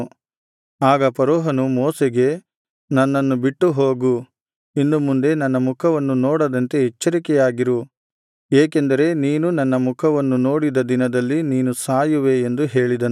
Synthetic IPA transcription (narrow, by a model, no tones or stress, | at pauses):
aːɡɐpɐɾoːɦɐnumɔːsɛɡe̞ | nɐnːɐnːubiʈːuɦoːɡu | inːumund̪e̞nɐnːɐmukʰɐʋɐnːunɔːɽɐd̪ɐnt̪e̞ɦɛt͡ʃːɐɾikɛjaːɡiɾu | eːkend̪ɐɾe̞niːnunɐnːɐmukʰɐʋɐnːuno̞ːɽid̪ɐd̪inɐd̪ɐlːiniːnusaːjuʋe̞ːnd̪uɦe̞ːɭid̪ɐn